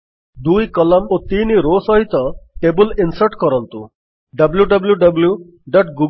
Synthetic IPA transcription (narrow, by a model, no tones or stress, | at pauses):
d̪ujkɔlɔmot̪iniɾosɔɦit̪ɔʈebulinsɐɾʈkɔɾɔnt̪ṵ̃ | ɖɐbljuɖɐbljuɖɐblju | ɖɔʈɡu